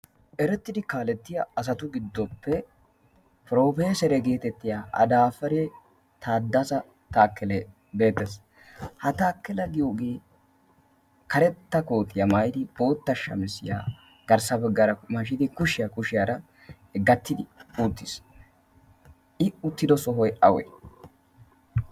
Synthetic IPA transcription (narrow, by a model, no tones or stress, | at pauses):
ʔɛɾɛt̪ːɪd̪ɪkaːlɛt̪ːɪjɐɐs̬ɐt̪ʊɡɪd̪ːɔpːɛ | pɾo̞ːfe̞ːsɛɾɛɡe̞ːt̪ɛt̪ːɪjaʔɐ̰d̪aːfɐɾe | t̪ʰaːd̪ːɐsɐ | t̪aːkːɛlɛ | be̞ːt̪ːɛs | hɐt̪aːkːɛlɐɡɪjo̞ːɡeː | kɐɾɛt̪ːɐko̞ːt̪ɪjɐmɐjd̪ɪb̥o̞ːt̪ːɐʃːɐ̰mɛsɪ̰ja̰ː | ɡ̥ɐɾsɐbɛɡːɐɾɐmɐʃɪd̪ɪkʊʃɪjɐkʊʃɪjaɾɐ | ɡɐt̪ːɪd̪ɪut̪ːɪs | ʔɪʊt̪ːɪd̪ɔsɔɦɔjʔɐwɛ̰